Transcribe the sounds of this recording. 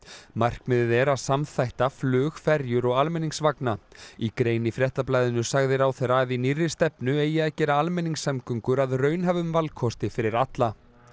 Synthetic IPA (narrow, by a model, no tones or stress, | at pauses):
mar̥kmɪðɪðɛɾaðsamθajht̪aflʏːɣfɛɾjʏɾɔɣalmɛniŋsvaknaikɾeːjnɪfɾjɛht̪aplajðʏnʏsaɣðɪɾawθɛjɾaðinirːɪ̥st̪ɛpnʏeːjɪaðcɛːɾaalmɛniŋsːɛmkʏŋkʏɾaðrœːɥnɦavʏmvalkʰɔst̪ɪfɪɾɪɾat̪la